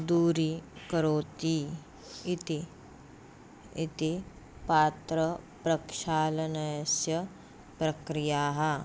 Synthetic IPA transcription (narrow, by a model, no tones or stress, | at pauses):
d̪uːɾikɐɾoːt̪iː | it̪i | it̪i | paːt̪ɾɐpɾɐkʃaːlɐnɐjɐsjɐ | pɾɐkɾijaːɦɐ